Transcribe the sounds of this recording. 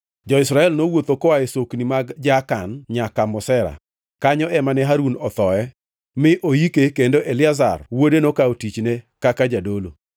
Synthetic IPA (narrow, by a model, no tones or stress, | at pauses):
d͡ʒɔɪsɾaɛlnowot̪okɔaesoknimaɡd͡ʒakanɲakamɔsɛɾa̰ | kaɲɔɛmanɛɦaɾunɔt̪ɔɛ | mɪʔojikekendoʔelɪaza̰rwodenokaotit͡ʃnekakad͡ʒadolo̰